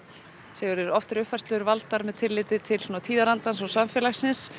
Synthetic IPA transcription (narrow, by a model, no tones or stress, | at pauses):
sɛːɣʏɾɛɾɔft̪ɪɾʏhpfḁst̪lœɾvalt̪aɾmɛðt̪ʰɪlːɪːt̪ɪt̪ʰɪlswoːnat̪ʰiːðaɾant̪ans̬ɔsaɱfjɛːlaxsɪns